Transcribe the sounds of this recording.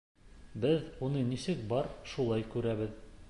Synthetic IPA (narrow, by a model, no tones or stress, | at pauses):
bɘðunɤnisɘk̚bɑɾʃulˠɑjkʉɾæβɘð